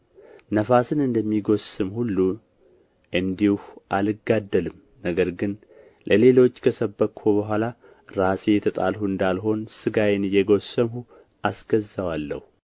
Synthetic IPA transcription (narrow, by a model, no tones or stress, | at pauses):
nəfasɨnɨnd̪əmːiɡo̞sɨmhulːu | ʔɨnd̪ihʔalɨɡad̪ːəlɨm | nəɡəɾɡɨn | lʔəle̞lo̞t͡ʃːkʰəsəbːəkhubəɦʷala | ɾasejɛt̪ʰət̪ʼa̰lhuɨnd̪alɦo̞nsɨɡajnɨjɛɡo̞səmhu | ʔasɡ̥əzːəwalːə̰hu